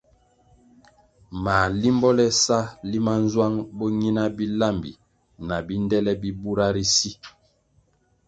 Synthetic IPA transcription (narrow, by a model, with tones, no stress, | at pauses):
ma˨li˦mbɔ˦lɛ˦sa˦li˦ma˦n˦zwa˦ŋbo˦ɲi˦na˦bi˦la˦˨mbḭ˨ | na˨bi˦ndɛ˦lɛ˦bi˦bu˦ɾa˦ɾi˦si˦